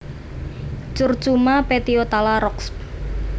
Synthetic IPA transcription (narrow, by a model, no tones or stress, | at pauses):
t͡ʃʊrt͡ʃumapet̪iot̪alaɾɔksp